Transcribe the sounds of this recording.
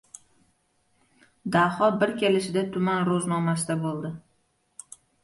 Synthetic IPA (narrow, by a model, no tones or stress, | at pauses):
d̪ahɒbɪɾkʲʰelɪʃɪd̪at̪ʰʊmanɾoznɒmasɪd̪abolˠd̪ɪ